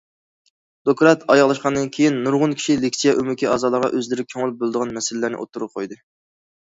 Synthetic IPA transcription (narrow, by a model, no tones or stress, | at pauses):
d̪̥okɾɑt̪ʰɑjɑʁlˠɑʃqɑnd̪ɨnkʲʰejinːuɾʁʊnkʲʰi̥ʃilekʲsijɛʔymykʲʰiɑːzɑːlˠəɾʁɑ̰ʔøzlɪɾɪkʲʰøŋlˠp̚bolˠd̪əʁɑnmɛsɪlɪlæɾnɪ̰ʔo̰t̪ʰːuɾʊqʰojd̪ɨ